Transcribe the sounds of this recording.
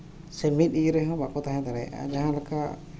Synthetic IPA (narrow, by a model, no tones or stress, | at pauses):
semit̪̚iɾɛɦɔ̃bakɔt̪aɦɛ̃d̪aɾɛ̰d͡ʒaɦãlakʰa